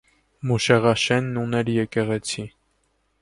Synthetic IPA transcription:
muʃɛʁɑʃɛnːunɛljɛkɛʁɛt͡sʰi

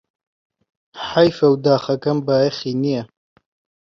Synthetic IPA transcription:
ħajfawd̪aːxɐkɐmbaːexinija

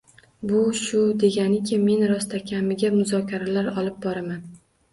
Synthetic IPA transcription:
bʊʃʊd̪e̞ɡʲanɪkʲʰɪme̞nɾɒst̪ʰakʲʰamɪɡʲamʊzɒkʲʰaɾalaɾɒlˠɪp̚bɒɾaman

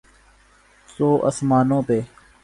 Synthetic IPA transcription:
soːʔə̰smaːnõːpeː

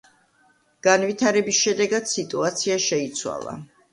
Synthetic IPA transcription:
ɡ̥anvit̪ʰaɾɛbisʃɛd̪ɛɡad̪̥sit̪ʼuat̪sʰiaʃɛit̪sʰwa̰lˠa̰

